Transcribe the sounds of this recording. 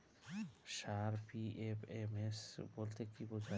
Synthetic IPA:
ʃaɾpiʔepemesbolt̪ekibod͡ʑʰʱa

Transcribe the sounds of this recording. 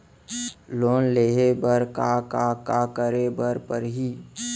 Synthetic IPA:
loːnleːɦebəɾkakakakəɾebəɾpəɾɦi

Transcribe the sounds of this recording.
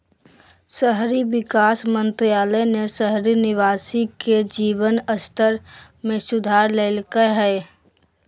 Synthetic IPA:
səɦɾibɪkaːsmə̃nt̪ɾijaːlənesəɦɾinɪʋaːsiked͡ʒiːbənəst̪əɾ | mẽsʊd̪ʱaːɾleːlkəɦɛ

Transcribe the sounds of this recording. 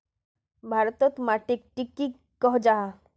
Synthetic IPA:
bʱaɾt̪ɔt̪maʈik̚ʈikːi | kɔɦd͡ʒaɦa

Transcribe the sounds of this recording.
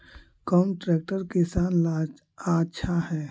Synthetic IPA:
kɔʊmʈɾɛːk̚ʈəɾkɪsaːnl | aːʃʰahɛː

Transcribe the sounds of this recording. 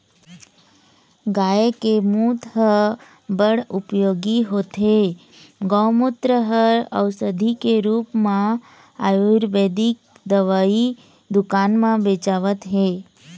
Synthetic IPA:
ɡaekemũt̪ɦə | bəɽupjoɡiɦot̪ɦe | ɡɔwmut̪ɾəɦəɾə̰ʋsəd̪ʱikeɾupmã | ajuɾʋed̪ik̚ | d̪əʋai | d̪ʊkanmãbet͡ʃaʋət̪ɦe

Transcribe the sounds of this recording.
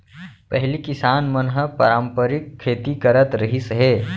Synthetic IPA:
pɛɦlikɪsaːnmənɦəpə̰ɾaːmpəɾɪkʰːeːt̪ikɐɾət̪ɾɐɦisɦɛː

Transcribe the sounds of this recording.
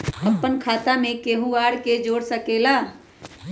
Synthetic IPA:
əpːənkʰaːt̪amẽkeːɦuaːɽked͡ʒoːɽsəkeːlaː

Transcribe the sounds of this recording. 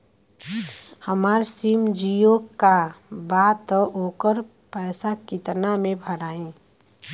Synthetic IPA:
həmaːɾsimd͡ʒijokːabaːt̪okəɾ | pɛːsakit̪namẽbʱəɾaːĩ

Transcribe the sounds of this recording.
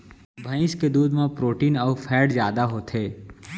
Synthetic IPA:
bʱɐ̃ɪ̃ʃked̪uːd̪mẽpɾoːʈiːnɔːfʰɛːɖzjaːd̪aɦot̪ʰeː

